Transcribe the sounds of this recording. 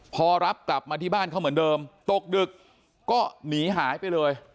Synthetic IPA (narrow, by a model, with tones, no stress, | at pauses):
pʰɔː˧ɾa˦˥p̚kla˨˩p̚maː˧t̪ʰiː˥˩baː˥˩nkʰa˥˩wmɯ˩˦əndɤː˧mt̪o˨˩k̚dɯ˨˩kː | ɔː˥˩niː˩˦ɦaː˩˦jpa˧jlɤː˧j